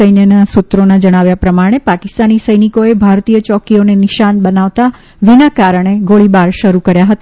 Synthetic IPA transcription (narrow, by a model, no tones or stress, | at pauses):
əjnjənasut̪ɾonad͡ʒəɽ̃aʋjapɾəmaɽ̃epakɪst̪anisəjnikoebʱaɾt̪ijət͡ʃɔkionenɪʃanbənaʋt̪a | ʋinakaɾəɳ̃eɡoɭibaɾʃəɾukəɾjaɦət̪a